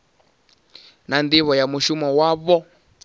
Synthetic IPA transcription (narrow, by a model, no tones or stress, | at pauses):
nand̪iβɔjamuʃumɔwaβɔ